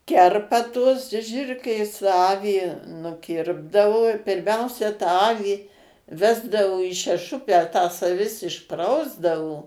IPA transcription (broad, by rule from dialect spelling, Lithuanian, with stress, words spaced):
ˈkʲɛrpɐ tuɔs ˈʒʲɪrklʲeːs ˈɑːʋʲiː nʊˈkʲɪrbdɐʋoː pʲɪrʲˈmʲɛʊsʲɛ tɑː ˈɑːʋʲiː ˈʋʲæːzdɐʋoː iː ʃʲɛˈʃʊpʲæː tɐs ɐˈʋʲɪs ɪʃˈprɐʊzdɐʋoː